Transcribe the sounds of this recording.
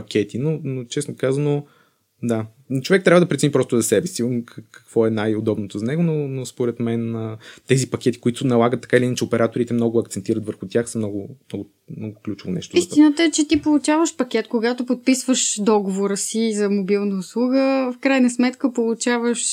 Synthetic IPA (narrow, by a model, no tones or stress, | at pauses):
pɐkʲʰɛt̪inonot͡ʃɛsnokazvɐno | d̪a | t͡ʃovɛk̚t̪ɾavɐd̪ɐpɾɛt̪ɛnipɾɔst̪ʊzɐsɛbɛsikkɐ̥kvɔɛnajod̪ɔbnot̪ozɐnɛɡʊnonospoɾɛt̪mɛnət̪ɛzipɐkʲɛt̪i̥koit̪ʊnɐlˠaɡət̪ːɐ̥kailiint͡ʃɛopɛɾʔat̪oɾit̪ɛmnɔɡʊɐkt̪sɛnt̪iɾɐt̪vəɾxʊt̪ʲjaxsɐmnɔɡʊmnɔɡʊ | mnɔɡʊklʲut͡ʃʊvonɛ̰ʃt̪oist̪inət̪əɛt͡ʃɛt̪ipolˠut͡ʃavəʃpɐk̟ʲɛt̪koɡat̪opot̪̚pisvəʃd̪ɔɡovoɾəsizɐmobilˠnəʊslˠuɡəfkɾajnəsmɛt̪kəpolˠut͡ʃavəʃ